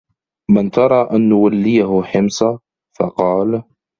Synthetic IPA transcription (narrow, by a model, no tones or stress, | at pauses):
mɪnt̪ɑɾˤɑːʔanːʊwalːɪjaɦʊħɪmsa | fɑ̰qɑːl